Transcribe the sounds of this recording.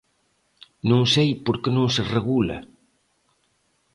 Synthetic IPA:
nõŋsejpoɾkenõŋsereɣula̰

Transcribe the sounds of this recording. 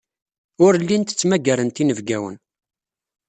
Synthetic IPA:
ʊɾlːint̪ə̥t͡sːmæɡæɾənt̪inəvɡæwə̰n

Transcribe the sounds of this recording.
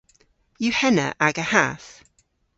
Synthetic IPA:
jəhɛnə̰ʔaɡəhaθ

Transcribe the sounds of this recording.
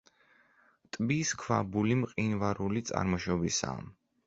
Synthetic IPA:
t̪ʼbiskʰwabulimqʼinvaɾulit̪sʼa̰ɾmɔʃɔbisa̰m

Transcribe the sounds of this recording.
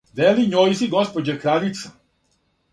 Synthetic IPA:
d̪eliɲojsiɡospod͡ʑekɾalit̪sḁ

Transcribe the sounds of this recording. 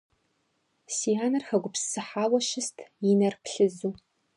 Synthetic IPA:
siaːnɐrxɐɡʷʊpssɨħaːwɐʃɪstʰjɪnɐrpɬɨzuː

